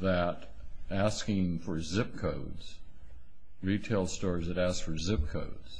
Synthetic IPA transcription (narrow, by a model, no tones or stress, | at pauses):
ðɨɾ | æskɪ̃ŋfə˞zɪp̚kʰoʊdz̥ | ɹitʰeɪlˠstɔɹzðɨɾæskfə˞zɪp̚kʰoʊdz̥